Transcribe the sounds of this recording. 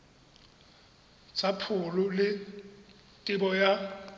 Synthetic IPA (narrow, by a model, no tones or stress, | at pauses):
t͡sʰapʰʊlʊlɪ | tʼɪbɔja